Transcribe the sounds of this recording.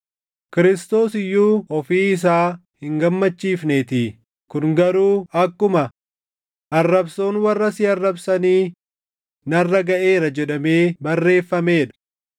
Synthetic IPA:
kɪɾɪst̪o̞ːsɪjːuːɔfiːɪs̬aːhɪŋɡɐmːɐt͡ʃːiːfnet̪ɪ | kʊnɡɐɾuːɐkːʊmɐ | ʔɐrːɐbsoːnwɐrːɐsɪɐrːɐbsɐniː | nɐrːɐɡɐʔe̞ːɾɐd͡ʒɛᶑɐme̞ːbɐrːe̞ːfːɐmeːᶑɐ̥

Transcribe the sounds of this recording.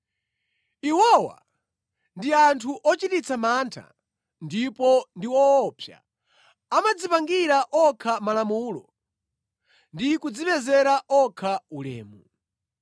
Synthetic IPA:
iwɔwa̰ | ndiantʰuʔɔt͡ʃitit͡sʰamaːntʰa̰ | ndipɔndiwɔːpʰja̰ | amad͡zipaŋɡiɾaʔɔkʰamalamuːlɔ | ndikud͡ziɓɛzɛɾaʔɔkʰaulɛ̰ːmu

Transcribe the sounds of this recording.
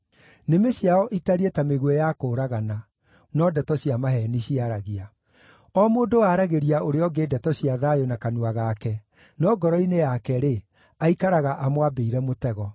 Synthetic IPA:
nemeɕjaɔʔitaɾietameɣwɛjakoːɾaɣana | nɔdɛtɔɕiamaɦɛniɕiaɾaɣia | ɔmoːndowaɾaɣeɾiaoɾeɔɡeːdɛtɔɕiaðajonakanuaɣaːkɛ | nɔɡɔɾɔinejakɛɾe | aikaɾaɣaʔamoabeiɾɛmotɛɣɔ

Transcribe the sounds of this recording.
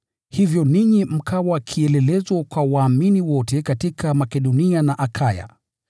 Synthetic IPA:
hivjɔniɲim̩kʰawakʰiɛlɛlɛzwakwawaːminiwɔtɛkatikamakɛɗɔnianaʔakʰaja̰

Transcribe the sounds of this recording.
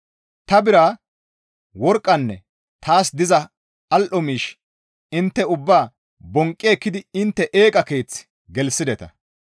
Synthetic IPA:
t̪ɐbɪɾaː | wɔɾkʼːɐnːɛ | t̪ʰaːsd̪ɪzɐ | ɐlʔɔmiːʃ | ɪnt̪ːɛʊbːaː | bɔŋkʼːeːkːɪd̪ɪɪnt̪ːɛʔe̞ːkʼɐke̞ːt͡s | ɡɛlsɪd̪ɛt̪ɐ̰

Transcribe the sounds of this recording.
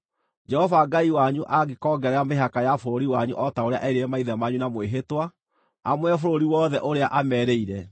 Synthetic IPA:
d͡ʒɛhɔvaɡaiwaɲuʔaɡekɔɡɛɾɛameɦakajafoɾoɾiwaɲuʔɔtaoɾea̰ʔɛiɾeɛmaiðɛmaɲunamweɦetwa | amwɛfoɾoɾiwɔːðɛʔoɾeaʔamɛɾeiɾɛ

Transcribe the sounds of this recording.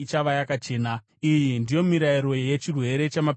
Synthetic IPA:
it͡ʃaʋajakat͡ʃe̞ːna | ijindijo̞miɾaiɾo̞je̞t͡ʃirwe̞ɾe̞t͡ʃama

